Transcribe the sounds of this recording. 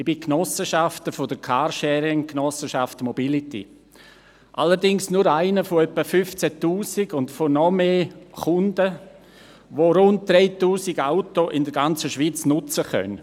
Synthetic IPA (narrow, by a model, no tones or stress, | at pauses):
ibiknɔsəʃaftəfod̥əkʰaːɾʃɛːɾɪŋknɔsəʃaftmobilitḭ | ʔaləɾdɪŋsnʊɾaɪnəfoœpːəfʏft͡sɛtuːsiɡʊndfonɔmeːχʊndə | ʋoɾʊnt̚d̪̥ɾeɪtuːsiɡaʊtoʔɪndəɾɡant͡səʃʋiːt͡snʊt͡səχœ̰n